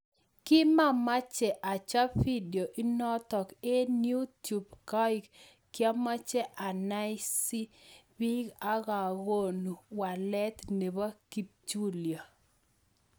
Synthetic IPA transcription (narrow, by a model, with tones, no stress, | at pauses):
kɪ˦ma˦ma˦t͡ʃɛ˨ʔa˨t͡ʃa˦fi˦djo˨ʔi˦nɔ˦t̪ɔ˨ke˦nju˦tju˨bka˦ɪ˨kː | ja˦ma˦t͡ʃɛ˦ʔa˨na˦ɪsi˦bi˦ɡa˦ɣa˨ɣo˦˨nu˨wa˨lɛ˦t̪ne˨ba˦ki˦p̚t͡ʃu˦lja˨